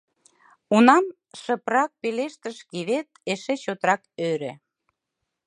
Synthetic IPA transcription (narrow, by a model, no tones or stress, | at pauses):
unɑm | ʃə̆prɑk̚peleʃt̪əʃkiβet̪̚eʃet͡ɕot̪ɾɑkøɾĕ